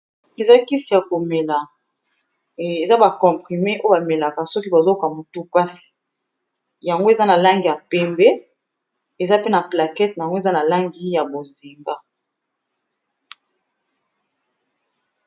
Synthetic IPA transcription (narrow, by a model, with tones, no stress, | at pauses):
e˨za˦ki˦si˨ja˨ko˨me˨la˨ | e˨za˦ba˨kɔ̃˨pχi˨me˦ʔo˦ba˨me˨la˨ka˨sɔ˦ki˦ba˨zo˦ka˨mo˨tu˦pa˦si̥˨ | ja˨ŋɡo˦e˨za˦na˨la˦ŋɡi˨ja˨pɛ˦mbe˦ | e˨za˦pe˦na˨pla˨kɛ˦t̚na˨a˨ŋɡo˦e˨za˦na˨la˦ŋɡi˦ja˨bo˨zi˨mba˦